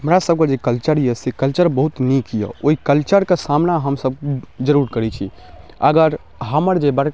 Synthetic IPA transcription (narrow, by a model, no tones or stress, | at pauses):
ɦəmɾasəb̚ked͡ʒekəlt͡ʃəɾiəsekəlt͡ʃəɾbəɦut̪nikijə̰oikəlt͡ʃəɾkesamnaɦəmsəb̚kd͡ʒəɾuɾkəɾɛt͡ʃʰḭ | əɡəɾ | ɦəməɾd͡ʒebəɽ